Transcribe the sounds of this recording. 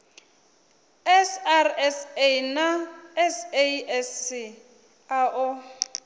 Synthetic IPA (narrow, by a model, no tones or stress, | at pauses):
ɛsarɛsejnaɛseɛsi | aʔʊ